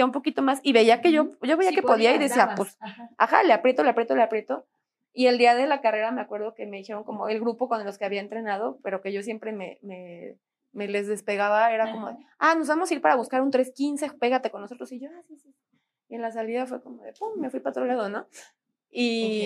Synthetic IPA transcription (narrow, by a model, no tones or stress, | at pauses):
aumpo̞kit̪o̞masiβe̞iakeʝo̞ɟ͡ʝo̞βeiake̞po̞ðiaiðe̞siaposa̰xa̰leapɾje̞t̪o̞le̞apɾjet̪oleapɾjet̪o̞ | ie̞ld̪iaðe̞lakare̞ɾame̞akwe̞ɾð̞o̞ke̞me̞ðixe̞ɾo̞ŋko̞moe̞lɣɾupokond̪eloskeaβiae̞nt̪ɾe̞nað̞o̞pe̞ɾo̞ke̞ʝo̞sjempɾe̞mḛme̞ | me̞lezðe̞spe̞ɣaβae̞ɾako̞mo̞ðeano̞zβamo̞siɾpaɾaβuskaɾunt̪ɾe̞skinse̞pe̞ɣat̪eko̞nːoso̞t̪ɾo̞siʝoasisisi | e̞nlas̬aliðafweko̞mo̞ðḛpumme̞fwipaot̪ɾolað̞ono̞ | i